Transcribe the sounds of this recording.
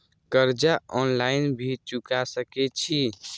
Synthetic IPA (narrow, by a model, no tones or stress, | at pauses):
kəɾd͡ʒaɔnlainbʱit͡ʃukasəkɛt͡ʃʰi